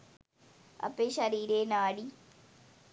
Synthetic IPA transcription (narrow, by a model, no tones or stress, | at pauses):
ɐ̰peʃɐɾiːɾeːnaːɽi